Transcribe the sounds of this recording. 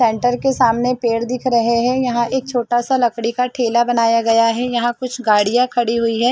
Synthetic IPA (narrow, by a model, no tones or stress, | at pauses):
sɛ̃ːɳʈəɾkesaːmnepeːɽd̪ɪkʰɾɐɦeɦɛ̃jɐɦãʔeːk̚t͡ʃʰoːʈasalɐkɽikaʈʰeːlabɐnaːjaɡɐjaɦɛjɐɦãkʊt͡ʃʰɡaːɽijãkʰɐɽiɦʊiɦɛː